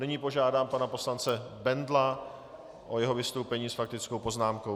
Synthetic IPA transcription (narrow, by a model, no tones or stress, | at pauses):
nɪɲiːpo̞ʒaːdaːmpanapo̞slant͡sɛbɛndla | ʔo̞jɛɦo̞vɪst̪o̞wpɛɲiːsfak̚t̪ɪt͡sko̞wpo̞znaːmkow